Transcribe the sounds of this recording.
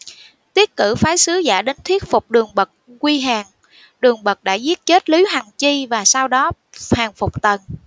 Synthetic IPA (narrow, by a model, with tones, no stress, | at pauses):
t̪i˦˥ət̚kɨ̰˧˩faː˨˦jsɨ˨˦za̰ː˧˩ɗe˨˦nt̪ʰwi˦˥ət̚fʊ˨˩k͡p̚ɗɨ˨˩əŋɓə˨˩t̚kwi˧ɦaː˨˩ŋ | ɗɨ˨˩əŋɓə˨˩t̚ɗa̰ː˧˥zi˦˥ət̚t͡ɕe˦˥t̚li˨˦wha˨˩ŋt͡ɕi˧vaː˨˩saː˧wɗɔ˨˦haː˨˩ŋfʊ˨˩k͡p̚t̪ə˨˩n